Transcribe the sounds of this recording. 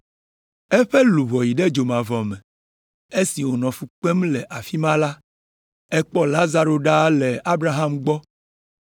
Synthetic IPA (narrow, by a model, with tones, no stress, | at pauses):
ɛ˦ɸe˦lu˨βɔ˨ji˨ɖe˦d͡ʒo˨mã˨vɔ˨mɛ̃˨ | e˦si˨wo˨nɔ̃˨fu˨k͡pe˦mlɛ˨ʔa˨fi˦mã˦la˦ | ɛ˦k͡pɔ˦la˦za˨ɾo˨ɖa˦le˨a˦bɾa˦ɦa˦mɡ͡bɔ˦